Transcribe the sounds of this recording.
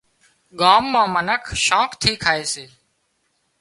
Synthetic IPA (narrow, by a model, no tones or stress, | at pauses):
ɠaːmːãːmənəkʰʃãːkt̪ʰiːkʰaːeːseː